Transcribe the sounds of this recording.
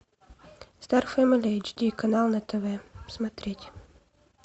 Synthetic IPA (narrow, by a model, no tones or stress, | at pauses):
st̪arfɛmɪlʲejd͡ʒd̪ʲikɐnalˠnɐt̪ɛvɛsmɐt̪ɾʲetʲ